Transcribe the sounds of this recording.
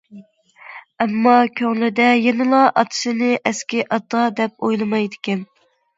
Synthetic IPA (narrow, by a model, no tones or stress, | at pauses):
ɛmːɑkʲʰøŋlɪd̪ɛjenɨlˠɑʔɑt̪ʰɨ̥sɨnɪʔɛskʲɪʔɑt̪ɑd̪ɛp̚ojlˠɨmɑjd̪ɪkʲɛn